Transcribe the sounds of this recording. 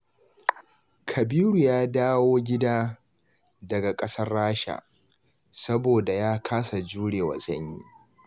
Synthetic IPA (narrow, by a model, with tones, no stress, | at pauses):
kʰɐ˨biː˦ɽu˨jaː˦daː˦woː˦ɡʲɪ˦daː˦ | dɐ˨ɡa˨kʼɐ˦sɐ˦rːaː˦ʃa̰˨ | sɐ˦boː˨da˨jaː˦kʰaː˦sa˨d͡ʒuː˦ɽeː˨wa̰˨zɐ˦ɲjḭː˦